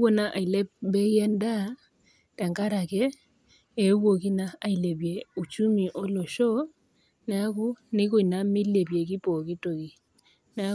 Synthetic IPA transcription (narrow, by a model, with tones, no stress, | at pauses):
o˦na˦ʔa˨i˨lɛ˦p̚bɛ˦ɛ˦nda˦ | ta˨ŋɡa˦ɾa˨kɛː˦˨˦ | wo˨k̬i˦na˦a˨i˨lɛ˨βjɛ˨u˨t͡ʃu˦mi˨ʔɔ˦lɔ˨ʃɔ˦ | nɛ˦a˦ku˦nɪ˦ko˨i˨na˦mi˦lɛ˨βjɛ˨ki˦pɔ˨ki˦to˨ki˨ | nɛ˨a˦